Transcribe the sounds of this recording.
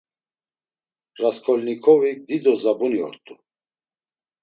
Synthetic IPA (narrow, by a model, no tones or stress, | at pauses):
raskʰɔlnikʰɔvik̚d̪id̪ɔzabuniɔ̰ɾt̪ʼu